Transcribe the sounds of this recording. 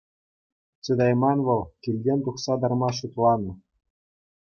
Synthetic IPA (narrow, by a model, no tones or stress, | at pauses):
t͡sɘ̆d̪ɑjmɑnʋɤ̆lˠkʲilʲdʲenʲt̪uχsɑd̪ɑrmɑʃut̪lˠɑnɤ̆